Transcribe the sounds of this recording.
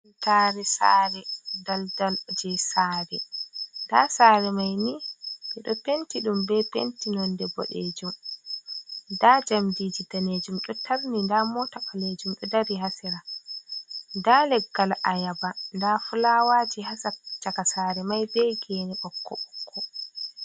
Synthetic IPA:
taɾɛsa̰ːɾɛdaldald͡ʒɛsaːɾɛ̰nda̰saːɾɛmajniʔɛɗɔpentiɗumbɛpḛntinɔndɛbɔ̰ɗḛd͡ʒum | dad͡ʒamdid͡ʒidaned͡ʒumɗɔtaɾnindamɔtaɓaled͡ʒumɗɔdaɾiɦasɛɾa | ndalɛɡːalʔajabandafulawaːd͡ʒihasat͡ʃakasaːɾɛmajbɛɡenɛʔɔkʰːɔɓɔkʰːɔ

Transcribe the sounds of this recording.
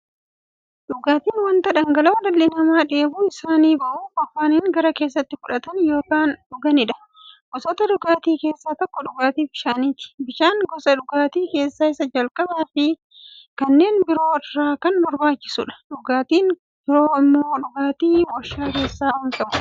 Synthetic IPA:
ᶑʊɡaːt̪iːnwɐnt̪ɐᶑɐŋɡɐlɐwdɐlːɪnɐmaːᶑe̞ːbuːɪsaːniːbɐʔuːfɐfːaːniːŋɡɐɾɐke̞ːs̬ːɐt̪ːɪfʊᶑɐt̪ɐnjo̞ːkaːnᶑʊɡɐnɪᶑɐ̥ | ɡ̥ɔsɔt̪ɐᶑʊɡaːt̪iːke̞ːsːaːt̪ɔkːɔᶑʊɡaːt̪iːbɪʃaːniːt̪ɪ̥bɪʃaːŋɡɔsɐᶑʊɡaːt̪iːke̞ːsːaːɪsɐd͡ʒɐlkʼɐbaːfɪ | kɐnːe̞ːnbɪɾo̞ːɪrːaːkɐnbɔɾbaːt͡ʃːɪ̥sʊᶑɐ̥ᶑʊɡaːt̪iːn | bɪɾo̞ːɪmːoːᶑʊɡaːt̪iːwɔʃːaːke̞ːsːaːhɐnt̪ɐʔʊ̥

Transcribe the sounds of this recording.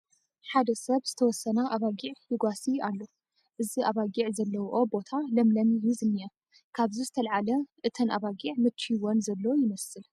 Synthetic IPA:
ħad̪ɐsɐβz̥ɨt̪ʰɐwɔsːɐnaʔaβaɡiʕjɪɡʷasialːo | ʔɨziʔaβaɡiʕzɐlːɐwuʔobo̞t̪ʰalɐmlɐmijuzɨmnija | kʰaβzizɨt̪ʰɐlʕalɐʔɨt̪ʰɐnʔa̰βaɡiʕmɨt͡ʃiwonzɐlːowjɪmɐsɨl

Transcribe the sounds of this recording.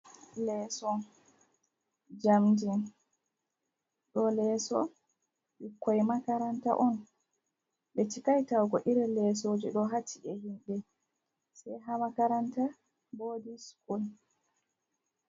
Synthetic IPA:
lɛːsɔ | d͡ʒamdin | ɗɔlɛːsɔ̰ | ɓikːɔjmakaɾanta̰ʔɔn | ɓɛt͡ʃikajtawɡɔʔiɾɛlɛsoːd͡ʒiɗɔɦatʰːiʔɛhinɗɛ | sɛjɦamakaɾanta | boːdiskul

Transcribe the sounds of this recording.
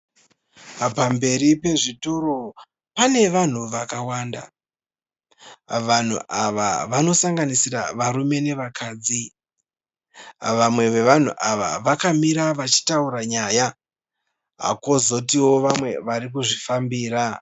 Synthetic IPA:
pambe̞ɾipe̞ʐito̞ɾo̞ | pane̞ʋan̤uʋakawaːnda̰ | ʋan̤ṵʔaʋa̰ʋano̞saŋɡanisira̰ʋaɾume̞ne̞ʋakaːd͡zi | ʋamwe̞ʋe̞ʋan̤ṵʔaʋa̰ʋakamiɾaʋat͡ʃi̥tauraɲaja | ɦa̰ko̞zo̞tiwo̞ʋamwe̞ʋaɾik̬uʐifambiːɾa

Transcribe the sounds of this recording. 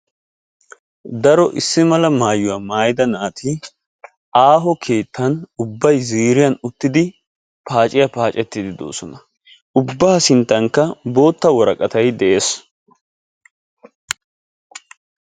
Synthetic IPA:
d̪ɐɾɔʔɪsːɪmɐlɐmaːjʊwaːmaːjɪd̪ɐnaːt̪ʰɪ | aːɦɔkʰe̞ːt̪ːɐnʊbːɐjziːɾɪjɐnʊt̪ːɪd̪ɪ | paːt͡ʃʼɪjapaːt͡ʃʼɛt̪ːɪd̪ɪd̪o̞̰ːsɔnɐ | ʊbːaːsɪnt̪ːɐŋkːɐbo̞ːt̪ːɐwɔɾɐkʼɐt̪ɐjd̪ɛʔe̞ːs

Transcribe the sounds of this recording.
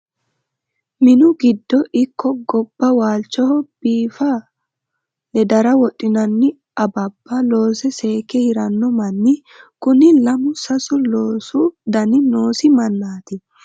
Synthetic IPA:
mɪnʊɡɪd̪ːɔʔɪkʰːɔɡɔb̥ːɐwaːlt͡ʃːɔhɔb̥iːfɐ | lɛd̪ɐɾɐwɔtʼːɪnɐnːɪ | ɐbɐbːɐlo̞ːsɛse̞ːkɛhɪɾɐnːɔmɐnːɪ | kʊnɪlɐmʊsɐsʊloːsʊd̪ɐnɪno̞ːsɪmɐnːaːt̪ɪ

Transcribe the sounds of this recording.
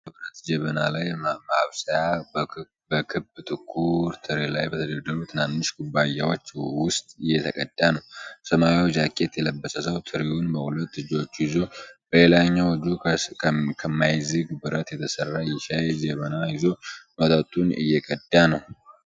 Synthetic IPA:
əbɾət̪d͡ʒɛβənalajmaβsəja | bəkʰɨbt̪ʼɨkʼʰːuɾt̪ʰɨɾelajbət̪ʰəd̪əd̪ːəɾut̪ʰɨnanːɨʃɡubajawot͡ʃːwʊst̪ʼɨjːɛt̪ʰəkʼə̰d̪ːjanəwsəmajwd͡ʒakʼːe̞t̪jɛləbːəsʼəsəwt̪ʰɨɾeunbəhulət̪ːɨd͡ʒo̞t͡ʃːjɪzo̞b̥əle̞laɲːawd͡ʒu | kʰəmajzɨɡbɨɾət̪jɛt̪ʰəsərːajɪʃajd͡ʒɛβənajɪzo̞mət̪ʼət̪ʼunɨ̰jːɛkʼəd̪janəw

